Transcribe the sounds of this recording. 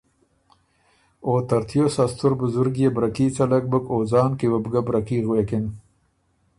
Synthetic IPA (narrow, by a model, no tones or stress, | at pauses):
oːt̪ɐɾt̪ʰjoːsast̪ʰʊɾbʊzʊɾɡjebɾakit͡salak̚bəkoːzɑːnkiwabɡabɾakiːɣwekɪn